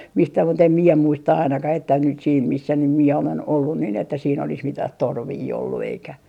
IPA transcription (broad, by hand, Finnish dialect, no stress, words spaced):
mistæ mut em mie muistɑ ɑinɑkɑh etːæ nyt siːn misːæ nym mie olen olːu nin etːæ siːn olis mitɑh torʋiː olːu eikæ